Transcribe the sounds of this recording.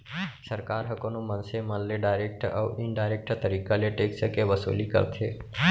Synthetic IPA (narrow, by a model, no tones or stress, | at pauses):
səɾkaːɾɦəkonomənseməlleɖaːɪɾeːk̚ʈə̰ʋɪnɖaːɪɾeːk̚ʈt̪əɾiːkaleʈeːksəkeʋəsṵːlikə̰ɾt̪ʰḛː